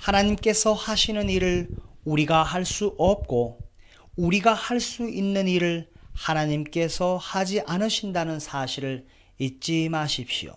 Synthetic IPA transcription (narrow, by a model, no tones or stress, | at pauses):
hanaɲimk͈e̞sʰʌhaɕʰinɯniɾɯɭuɾiɡahaɭs͈uʔʌp̚k͈o | uɾiɡahaɭs͈uinːɯniɾɯɭhanaɲimk͈e̞sʰʌhad͡ʑiʔanɯɕʰindanɯnsʰaɕʰiɾɯɭ | it̚t͡ɕ͈imaɕʰip̚ɕio̰